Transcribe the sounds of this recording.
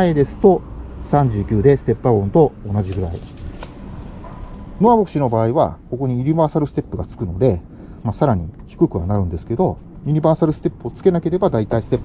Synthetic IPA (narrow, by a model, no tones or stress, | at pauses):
aed̪e̞sɨ̥t̪o̞sãɲ̟d͡ʑɨːkʲɨːd̪e̞sɨ̥t̪e̞pːaɡõ̞nt̪o̞ːnaʑiɡɯ̟ɾaḭ | noabo̞kɯ̟̥ɕino̞baːiβa̰ko̞ko̞ɲ̟iɯ̟ɲ̟ibaːsaɾɯ̟sɨ̥t̪e̞pːɯɡat͡sɨ̥kɯ̟no̞d̪e̞ | masaɾaɲ̟içi̥kɯ̟kɯ̟βanaɾɯ̟̃nd̪e̞sɨ̥ke̞d̪o̞ | jɯ̟ɲ̟ibaːsaɾɯ̟sɨ̥t̪e̞pːɯ̟ot͡sɨ̥ke̞nake̞ɾe̞bad̪ait̪aisɨ̥t̪e̞pː